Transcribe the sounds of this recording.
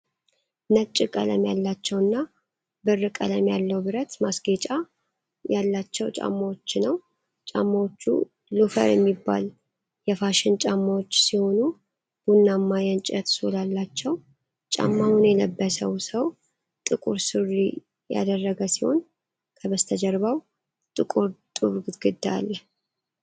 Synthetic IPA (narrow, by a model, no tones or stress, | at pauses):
nət͡ʃʼːɪkʼələmjalːat͡ʃːɛwɨnːa | bɨrːɨkʼə̰ləmjalːəwbɨɾət̪masɡet͡ʃʼa | jalːat͡ʃːɛwt͡ʃʼa̰mːawot͡ʃːnəw | t͡ʃʼamːawot͡ʃːṵ | lufə̰ɾjɛmːibːa̰l | jɛfaʃɪnt͡ʃʼamːawot͡ʃːsiho̞nu | b̥unːamːajɛnt͡ʃʼət̪solalːat͡ʃːɛw | t͡ʃʼa̰mːawunjɛləbːəsəwsəw | t̪ʼɨkʼuɾsɨrːḭ | ja̰d̪ərːəɡəsiho̞̰n | kʰəβəst̪ʰəd͡ʒəɾβaw | t̪ʼɨkʼuɾt̪ʼuɾɡɨɡɨd̪ːa̰lːə